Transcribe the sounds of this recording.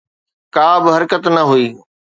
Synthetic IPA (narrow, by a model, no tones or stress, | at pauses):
kaːbɪɦɐɾkət̪nɐɦuiː